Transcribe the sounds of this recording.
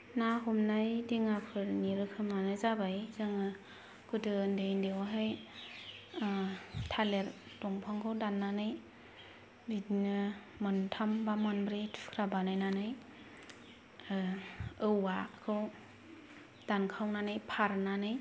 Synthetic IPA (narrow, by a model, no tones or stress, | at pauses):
naɦumnajdiŋapʰɯɾniɾɯkʰɯmanɯzabajzɯŋɯ | kɯdɯndejndewaɦaj | tʰaleɾ | dɔŋpʰaŋkʰɯwdanːanɯj | bitnɯ | mɯntʰambamɯnbɾetʰkʰɾabanajnanɯj | ɯwakʰɯw | d̥ankʰawnanɯjpʰaɾnanɯj